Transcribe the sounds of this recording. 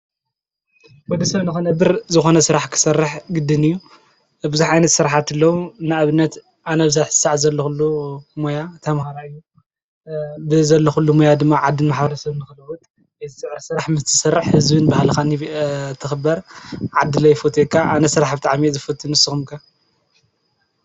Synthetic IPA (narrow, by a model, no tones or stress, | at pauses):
wɔd̪ɐsɐβnɨxonɐbɨɾzɨxo̞nɐsɨɾaħkʰɨ̥sɐrːɨħɡɨd̪ɨnɨjːu | bɨzuħʕajnɐt̪sɨɾaħat̪ɨlːɐwunaʔaβɨnːɐt̪ | ʔanɐβzaħzɨ̥saʕzɐlːoxulːumojat̪ʰɐmhaɾaɨjːu | bɨzɐlːoxulːumojad̪ɨmːaʕad̪ːɨnmaħbɐɾɐsɐβnɨxɨlɐwut̪ʼ | zɨsɨʕɾsɨɾaħmɨst̪ʰɨ̥sɐɾːɨħhɨzbɨnbahlxanit̪ʰɨxɨbɐɾʕad̪ːɨlɐjfot̪ʰekʰaʔanɐsɨɾaħbɨt̪ʼaʕmizɨfɐt̪ʰːɨnɨsɨxumkʰa